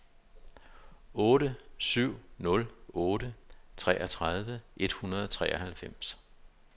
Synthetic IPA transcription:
ɔ̽ːɾəsyʊ̰nɔ̽lɔ̽ːɾət͡sʰʁɛ̰ːʔɐt͡sʰʁað̞ˠʋəʔe̝d̥hunɐð̞̩ˠɒ̽t͡sʰʁɛ̰ːɒ̽hælfem̰s

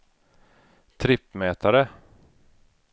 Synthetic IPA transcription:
t̪ʰɾɪpːmɛːt̪aɾə

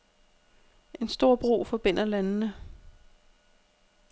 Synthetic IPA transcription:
ʔe̝nsd̥o̝ɐ̰b̥ʁṵːfɒ̽b̥en̰ɐlænnə

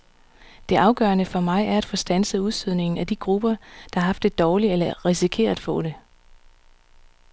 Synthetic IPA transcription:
d̥e̝ʔɑ̈ʊɡ̥ɶːɐnəfɒ̽mɑ̈ɪæɐæd̥fɔ̽ːsd̥ænsəuðˠstyð̞ˠne̝ŋn̩æd̥iɡ̥ʁub̥ɐd̥ɑ̈hɑ̈ɦɑ̈fd̥e̝d̥ɒːlielɐʁisikʰe̝̰ːɐ̥fɔ̰̽ːɾ̥e̝

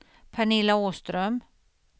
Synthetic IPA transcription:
pʰaɳɪlaoːst̪ɾœm

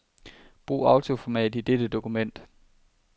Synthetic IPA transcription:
b̥ʁṵːɑ̈ʊt͡sʰo̝fɒmɛ̰ːd̥id̥ed̥əd̥o̝kʰumen̰d̥

